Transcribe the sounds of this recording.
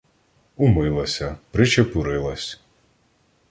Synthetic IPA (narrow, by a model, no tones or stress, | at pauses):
ʊmɪlˠɐsʲɐpɾɪt͡ʃepʊɾɪlˠɐsʲ